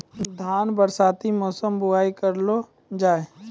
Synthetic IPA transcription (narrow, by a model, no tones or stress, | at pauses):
d̪ʱaːnbəɾsaːt̪imɔːsəmbʊaːikɐɾlo | d͡ʒaːe